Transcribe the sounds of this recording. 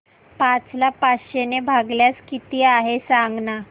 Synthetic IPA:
pat͡slapaɕenebʱaɡljat͡skit̪iːaɦesaŋɡna

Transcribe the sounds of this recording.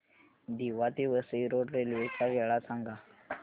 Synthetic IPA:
d̪iʋat̪iʋəsəiɾoʈɾeljutʰaɡʱɛɭasaŋɡa

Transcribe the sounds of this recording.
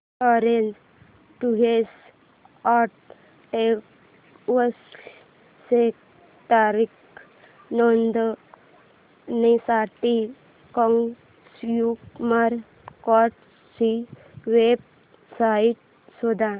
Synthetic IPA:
ɔɾend͡ʒ | ʈuɦes | aʈ̚ | e | ʋəs | sek | t̪aɾik | nɔnd̪ | nisaʈi | kɔŋ | sjukmaɾ | kɔʈ | si | ʋeb̚ | saiʈ̚ | sod̪a

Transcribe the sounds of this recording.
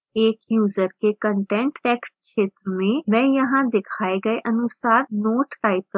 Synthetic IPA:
eːkjuːzəɾkekə̃ɳʈɛ̃ɳʈʈɛːkskʃeːt̪ɾəmẽmɛ̃ːjɐɦãd̪ɪkʰaːeɡɐeʔɐnʊsaːɾnoːʈːaːɪpəl

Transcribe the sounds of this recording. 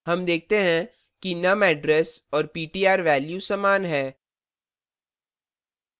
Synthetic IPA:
ɦɐmd̪eːk̚ʰt̪eɦɛ̃ | kinɐmɛːɖɾɛsɔːɾpiːʈiːaːɾʋɛːljusɐmaːnɦɛː

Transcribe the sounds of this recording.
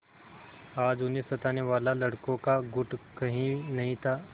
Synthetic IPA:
aːd͡ʒʊnɦẽsɐt̪aːneʋaːlalɐɽkõkaɡʊʈkɐɦĩnɐɦĩt̪ʰaː

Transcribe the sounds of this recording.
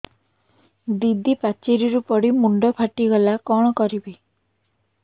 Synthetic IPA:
d̪id̪ʱipat͡ʃeɾiɾupɔɽimuɳɖɔpʰaʈiɡɔlakɔɽ̃ɔkɔɾibi

